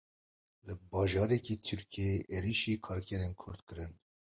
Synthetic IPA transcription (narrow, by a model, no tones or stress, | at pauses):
lɨbɑːʒɑːɾɛkit̪ʰyɾkʰieʔeɾiʃiːkʰɑːɾkʰɛɾenkʰʊɾd̪kɨɾɨn